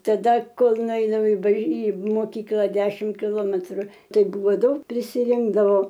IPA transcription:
tɐˈdɐ ˈkoːlˠ nʊˈɛɪnʊ ɪ bɐʃ iː moːˈkʲiːklˠɐ ˈdʲæːʃʲɪm kʲɪˈlˠoːmʲɛtrʊ ˈtɐɪ ˈbuːʋoː ˈdɐʊk pʲrʲɪsʲɪˈrʲɪŋɡdɐʋoː

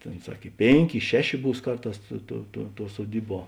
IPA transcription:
ˈtʲeːn ˈsɐk ɪ ˈpʲeːŋʲˌkʲeː ɪ ˈʃʲæːˌʃʲeː ˈbuːs ˈkɐrˌtɑːs ˈtuɔ tuɔ tuɔ suɔˈdʲiːˌbuɔ

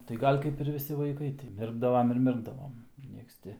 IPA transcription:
tɐɪ ˈɡɐlʲ kɐɪp ɪr ʋʲɪˈsʲɪ ʋɐɪˈkɐɪ tʲɪ ˈmʲɪrɡdɐʋɐm ɪr ˈmʲɪrɡdɐʋoːm ˈnʲiɛks ˈtʲɪ

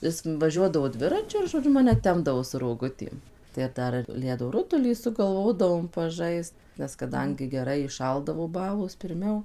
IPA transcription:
ˈɪs ʋɐˈʒʲuɔdɐʋoː ˈdʲʋʲɪrɐt͡ʃʲʊ ɪr ʒoːˈd͡ʒʲʊ ˈmɑːnʲɛ ˈtʲɛmbdɐʋoː sʊ roːˈɡʊtʲeːm tɐɪ ˈdɐr ɪr ˈlʲæːdoː ˈrʊtʊlʲiː sʊɡɐlˠˈʋoːdɐʋoːm pɐˈʒɐɪst nʲɛs kɐˈdɐŋʲɡʲɪ ɡʲɛˈrɐɪ iːˈʃɐlˠdɐʋoː ˈbɑːlˠoːs pʲɪrʲˈmʲɛʊ

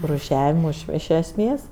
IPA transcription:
ruːˈʃʲæːʋʲɪmʊɪ ɪʃ ɛsʲˈmʲeːs

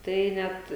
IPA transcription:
ˈtɐɪ ˈnʲɛt

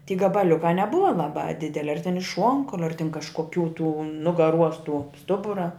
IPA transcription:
tʲiː ɡɐbɐˈlʲʊkɑː nʲɛˈbʊʋɐ lˠɐˈbɑː ˈdʲɪdʲɛlʲɪ ɐr tʲɪn ɪʃ ˈʃuɔŋkɐʊlʲʊ ɐr tʲɪn kɐʃkoːˈkʲuː tuː nʊɡɐˈruɔs tuɔ ˈstʊbʊrɐ

